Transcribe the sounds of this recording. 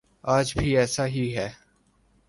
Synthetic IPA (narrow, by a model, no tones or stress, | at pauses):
aːd͡ʒbʱiːɛːsaɦiɦɛː